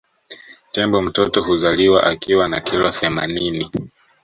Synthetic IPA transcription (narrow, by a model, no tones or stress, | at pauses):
tɛmbɔm̩tɔtɔɦuzaliwaʔakiwanakilɔθɛma̰nini